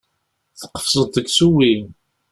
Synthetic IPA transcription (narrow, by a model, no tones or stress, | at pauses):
θə̥qːə̥fsˤəðˤəɡsuwi